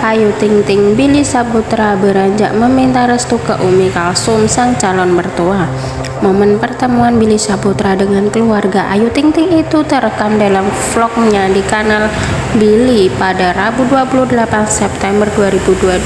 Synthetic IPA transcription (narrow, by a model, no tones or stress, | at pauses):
ʔajut̪ɪŋt̪ɪŋbilisaput̪ɾabəɾaɲd͡ʒa̰ʔməmint̪aɾəst̪ukəʔumikalsʊmsaŋt͡ʃalɔnbərt̪ua | momənpərt̪əmuanbilisaput̪ɾadəŋankəluarɡaʔajut̪ɪŋt̪ɪŋit̪ut̪əɾəkandalamflɔk̚ɲadikanal | bilipadarabuduapuluhdəlapansɛp̚t̪ɛmbərduaɾibudua